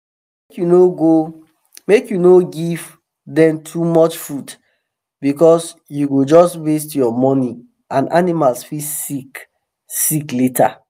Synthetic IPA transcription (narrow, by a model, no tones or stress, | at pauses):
mekjunoɡo | mekjunoɡiv | dɛ̃mtʰumɔt͡ʃfud | bikɔs | juɡod͡ʒɔstwestjɔmɔni | ãnʔanimalsfisik | sikletʰa̰